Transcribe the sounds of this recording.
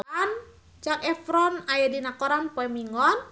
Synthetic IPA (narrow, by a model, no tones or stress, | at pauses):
an | t͡ʃakɛfɾɔnajadinakɔɾanpɔɛmiŋɔn